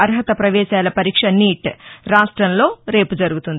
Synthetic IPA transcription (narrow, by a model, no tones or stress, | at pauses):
ɐɾɦɐt̪ɐpɾɐʋɛːʃaːlɐpɐɾiːkʂɐniːʈɾaːʂʈɾɐnlo̞ːɾe̞ːpud͡ʒɐɾuɡut̪und̪i